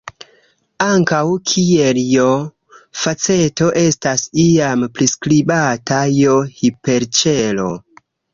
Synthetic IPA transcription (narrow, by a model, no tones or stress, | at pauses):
aŋkawkʰieljo | fat͡se̞to̞ʔe̞stasiampɾiskɾibatajohipe̞ɾt͡ʃelo̞̰